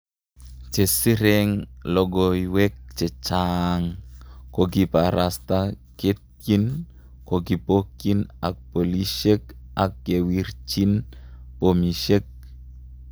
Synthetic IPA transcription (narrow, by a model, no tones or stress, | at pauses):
t͡ʃesiɾeŋlɔɡɔiwɛk̚t͡ʃet͡ʃaŋkokipaɾast̪a | ket̪̚kin | koɡipokina̰k̚poliʃek̚ak̚ːewirt͡ʃinpomiʃek̚